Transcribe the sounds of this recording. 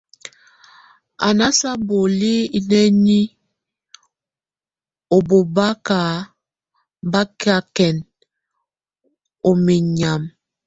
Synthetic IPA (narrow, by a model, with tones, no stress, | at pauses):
a̰˨na˦sa˦bo˨li˦i˨nɛ˦ni˦ | o˨bo˨ba˦ka˨ | ba˦ki˦a˦kɛ˨n | o˨mi˨ɲa˨m